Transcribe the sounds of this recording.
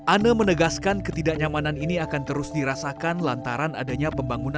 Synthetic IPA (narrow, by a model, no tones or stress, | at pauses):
ʔanamənəɡaskankət̪idaʔɲamananiniakant̪əɾʊsdiɾasakanlant̪aɾana̰daɲapəmbaŋuna